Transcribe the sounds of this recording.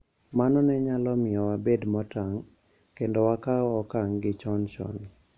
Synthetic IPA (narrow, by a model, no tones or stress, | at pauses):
manɔnɛɲalɔmɪɔwabedmɔtaŋ | kendɔwakaɔkaŋɡɪt͡ʃɔnt͡ʃɔ̰n